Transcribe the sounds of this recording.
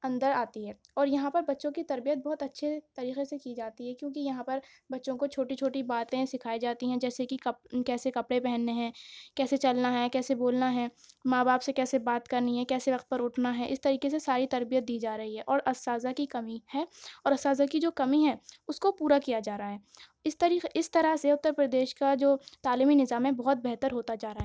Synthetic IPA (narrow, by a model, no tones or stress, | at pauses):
ɐ̃nd̪əɾaːt̪iɦɛː | ɔːɾjɐɦãpɐɾbɐtːʃõkit̪ɐɾbijət̪̚bɔɦːʊt̪ɐtːʃʰet̪ɐɾiːqesekid͡ʒaːt̪iɦɛkjõːkijɐɦãpɐɾ | bɐtːʃõkot͡ʃʰoːʈit͡ʃʰoːʈibaːt̪ẽsɪkʰaːid͡ʒaːt̪iɦɛ̃d͡ʒɛːsekikɐkɛːsekɐpɽepɛɦɛnːeɦɛ̃ːkɛːset͡ʃɐlnaɦɛkɛːseboːlnaɦɛːmaːbaːpsekɛːsebaːt̪kɐɾniɦɛkɛːseʋɐqt̪̚pɐɾʊʈʰnaɦɛʔɪ̰st̪ɐɾiːkes̬esaːɾit̪ɐɾbijət̪̚d̪iːd͡ʒaːɾɐɦiɦɛʔɔːɾɐsːaːzakikɐmihɛːɔːɾɐsaːzakid͡ʒoːkɐmiɦɛʊskopuːɾakijad͡ʒaːɾaaɦɛː | ɪst̪ɐɾiːɪst̪ɐɾaseʊt̪ːəɾpɾɐd̪eːʃkad͡ʒoːt̪aːliːminɪzaːmɦɛbɔɦʊt̪̚bɛɦt̪əɾɦoːt̪ad͡ʒaːɾaɦɛː